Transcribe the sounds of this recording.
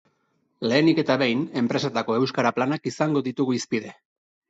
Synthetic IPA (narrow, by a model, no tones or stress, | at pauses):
le̞ːnike̞t̪aβe̞jne̞mpɾe̞set̪ako̞e̞wskaɾaplanakisaŋɡo̞ðit̪uɣuispiðe̞